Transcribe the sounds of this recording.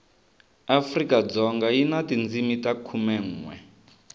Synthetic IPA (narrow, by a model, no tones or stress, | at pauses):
afrikad͡zɔŋɡajinatind͡zimitakʰumɛŋ̩ːŋwɛ̰